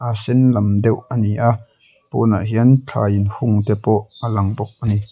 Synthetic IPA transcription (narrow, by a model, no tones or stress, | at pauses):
ʔasɛnlɐmd̪ɛwɐniʔa | pɔ̰na̰ʔɦiənt͡ɬʰa̰ːjinhʊŋt̪ɛpɔʔalɐŋbɔk̚ʔɐni